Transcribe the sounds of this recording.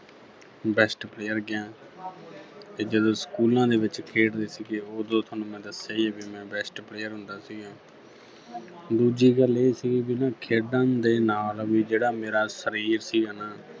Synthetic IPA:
bɛːsʈpleːjəɾɡɪjãː | t̪eːd͡ʒəd̪õːsə̥kuːlãːd̪eːʋɪt͡ʃkʰeːɽd̪eːsiːɡeːoːd̪õːt̪ʰoːnũːmɛ̃ːd̪əsjaːiːɛːbiːmɛ̃ːbɛːsʈpleːjəɾɦʊ̃nd̪aːsiːɡãː | d̪uːd͡ʒiːɡəleːsiːɡbɪnãːkʰeːɖãːd̪eːnaːlʋiːd͡ʒeːɽaːmeːɾaːsəɾiːɾsiːəːnaː

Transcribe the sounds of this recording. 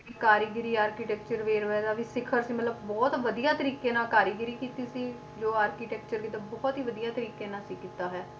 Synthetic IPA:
kaːɾiːɡɪɾiːaːɾkiːʈɛːkt͡ʃəɾʋeːɾɛːd̪aːʋiːsɪkʰəɾsiːmət̪ləbbɔːt̪ʋəd̪ijãːt̪əɾiːkẽːnãːkaːɾiːɡɪɾiːkiːt̪iːsiː | d͡ʒoːaːɾkiːʈɛːkt͡ʃəɾkiːt̪aːbɔːt̪ɦiːʋəd̪ijãːt̪əɾiːkeːnãːsiːkiːt̪aːɦɛː

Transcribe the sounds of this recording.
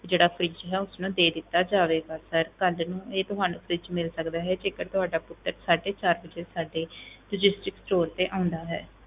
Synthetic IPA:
d͡ʒeːɽaːpʰɾɪt͡ʃɦɛːʊsnũːd̪eːd̪ɪt̪ːaːd͡ʒaːʋeːɡaːsəɾkəlnũːeːt̪ʊɦaːnũːpʰɾɪt͡ʃmɪlsəkd̪aːɦɛːd͡ʒeːɡəɾt̪ʊɦaːɖaːpʊt̪ːəɾsaːɖeːt͡ʃaːɾbəd͡ʒeːsaːɖeːlʊd͡ʒɪsʈɪksʈoːɾt̪eːʔaːʊ̃nd̪aːɦɛ̰ː

